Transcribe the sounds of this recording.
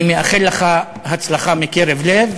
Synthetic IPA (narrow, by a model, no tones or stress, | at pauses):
meaχelːeχa | hat͡slaχamikeʁevlev